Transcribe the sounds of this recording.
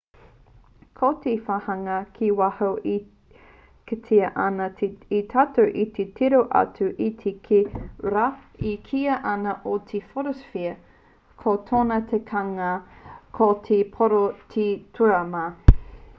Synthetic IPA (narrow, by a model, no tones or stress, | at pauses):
kʰot̪ʰefahɐŋɐkʰiwahowʔi | ketʰiɐʔɐnɐit̪ʰatoʔit̪ʰetʰiɾoʔɐ̰tuʔit̪ʰekʰeɾaikʰiɐʔɐnɐʔot̪ʰefoɾosfiɐ | kʰotʰoːnɐtʰekʰɐŋɐkʰotʰepʰoɾotʰitʰuɾɐmɐ